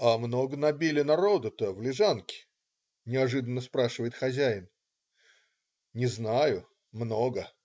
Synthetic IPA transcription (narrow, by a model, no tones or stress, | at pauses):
amnoɡənɐbʲilʲɪnɐɾo̞d̪ət̪əvlʲɪʐankʲɪ̥ | nʲɪɐʐɨd̪ənːəspɾaʂɨvəjɪt̪xɐzʲæɪn | nʲɪznajʊ | mnoɡə